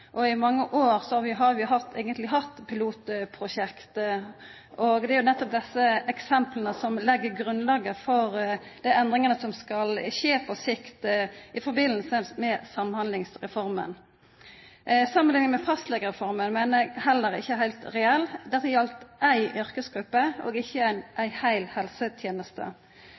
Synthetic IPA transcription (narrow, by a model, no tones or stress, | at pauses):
ʔɔɪmɑŋːəʔoːɾsɔhɑɾʋɪɦɑɾʋɪʊɦɑt̪ʰːæɪɡənt̪lɪɦɑt̪ːpʰɪluːt̪pʰɾʊʃɛkt̪ | ʔɔɡd̪ɛæɾjʊnɛt̪ːɔp̚d̪ɛsːəʔɛksɛmplənəsɔmlɛɡːəɾɡɾʉnlɑːɡəfɔɾd̪æɪɛnd̪ʁɪŋənəsɔmskɑlɕeːpʰɔsɪkt̪ʔɪfɔɾbɪnəlsəsmɛsɑmːəhɑnd̪lɪŋsʁɛfɔɾmə̰n | sɑmːənlɪŋːənmɛfɑst̪lɛɡəɾɛfɔɾmənmæɪnəhɛlːəɾɪ̰çːəɦæɪlt̪ɾɛɛlːd̪ɛt̪ːəjɑlt̪ʔæɪʔœɾkəsɡɾʉpːəʔo̰ːɡɪçːəæɪnʔæɪhæɪlhɛlsət̪ʰjeːnəst̪ə̰